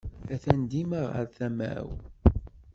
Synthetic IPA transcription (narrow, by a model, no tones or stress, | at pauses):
æθænd̪iməʁə̰ɾθæmæ̰w